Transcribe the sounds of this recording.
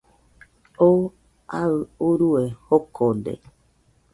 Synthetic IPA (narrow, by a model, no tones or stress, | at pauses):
o | aɨuɾuehokʰod̪ḛ